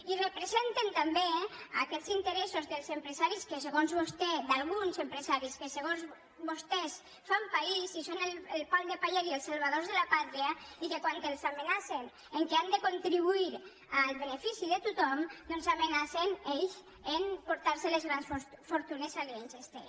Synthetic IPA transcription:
irepɾezent̪ent̪ambeakɛzint̪eɾɛsozðelˠzempɾezaɾiskeseɣonzβost̪ɛd̪alˠɣunzempɾezaɾiskeseɣonz | bost̪ɛs | fampaisisonelelˠpald̪epaʎelielˠsalˠβað̞ozðelapat̪ɾiaikekwant̪elˠzamenasen | eŋkeand̪ekont̪ɾiβuiɾ | alˠβenefisiðet̪ut̪ɔmnonzamenaseneʎs | enpoɾt̪aɾselezɣɾansffoɾt̪unezalensest̪e

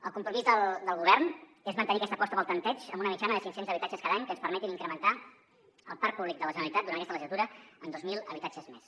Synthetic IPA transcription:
əlˠkumpɾumizðəlˠd̪əlˠɣuβ̞ɛrnezmənt̪əniəkɛst̪əpɔst̪əpəlˠt̪ənt̪ɛt͡ʃəmbunəmit͡ʃanəðəsiŋsenzəβit̪at͡ʃəskaðaɲkənspəɾmɛt̪iniŋkɾəmənt̪a | əlˠpaɾk̚puβlik̚d̪ələʒənəlit̪at̪d̪uanəkɛst̪ələʒizlət̪uɾəənd̪ozmilˠəβit̪at͡ʃəzmes

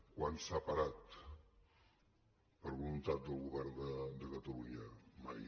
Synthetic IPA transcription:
kwansapəɾat̪ | pəɾβulunt̪at̪̚d̪əlˠɣuβɛɾnd̪əd̪əkət̪əluɲəma̰j

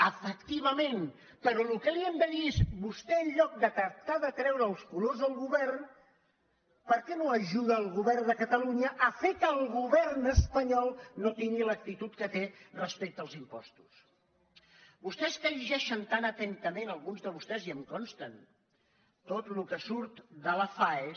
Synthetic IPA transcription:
əfəkt̪iβəmen | pəɾɔlukəliɛmd̪əðiezbust̪ɛəʎʎɔk̚d̪ət̪əɾt̪aðət̪ɾɛwɾəːlˠskulozðəlˠɣuβɛrn | pəɾkɛnoəʒuð̞əːlˠɣuβɛrnd̪əkət̪əluɲəʔəfekəːlˠɣuβɛrnəspəɲɔlˠnot̪iŋɡilək̚t̪it̪ut̪kət̪erəspek̚t̪əlˠzimpɔ̰st̪u̥s | bust̪ɛskəʒiʒɛʃənt̪anət̪ɛnt̪əmenəlˠɣunzðəβust̪ɛziəmkɔnst̪ən | t̪ot̪lukəsuɾt̪d̪ələfae

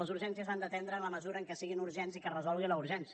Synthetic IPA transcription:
ləzuɾʒɛnsiəzand̪ət̪ɛnd̪ɾəːnləməzuɾəŋkɛsiɣinuɾʒɛnzikərəzɔlɣinləuɾʒɛnsi

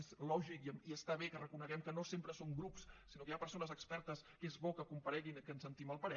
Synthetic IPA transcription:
zlɔʒikəmiəst̪aβekərəkunəɣɛmkənosempɾəsoŋɡɾupssinokəjapəɾsonəzəkspɛɾt̪əskezβɔkəkumpəɾɛɣinkənsənt̪iməlˠpəɾɛ

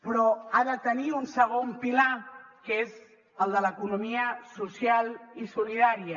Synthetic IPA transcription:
pɾɔaðət̪əniunsəɣompilakez | əlˠd̪ələkunumiəsusjalˠisuliðaɾiə

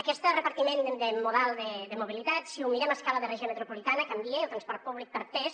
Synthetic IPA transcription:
əkɛst̪ərəpəɾt̪imẽnd̪əmuðɛlˠd̪əd̪əmuβ̞ilit̪at̪siumiɾaməskaləðərɛʒemet̪ɾupulit̪anəkambieat̪ɾanspɔɾt̪̚puβlik̚pəɾpɛs

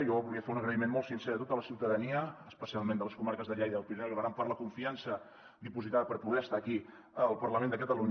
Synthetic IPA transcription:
jɔβulˠiəfeunəɣɾəimenmɔlˠt̪sinseɾət̪ot̪ələsiwt̪əðəniəːspəsialˠmend̪ələskumaɾkəzðəʎejðəpinoɣɾampaɾt̪ləkuɱfiansə | d̪ipuzit̪aðəpəɾpuðɛəst̪aːki | əlˠpəɾləmend̪əkət̪əluɲ

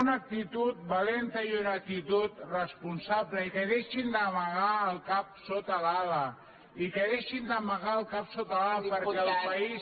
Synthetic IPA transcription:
unak̚t̪it̪ut̪̚balent̪əiunak̚t̪it̪ut̪rəspunsaβləikeðeʃind̪əmaɣaəlˠkap̚sot̪alaβa | ikeðeʃind̪əmaɣaəlˠkapsot̪alapəɾkɛəlˠpais

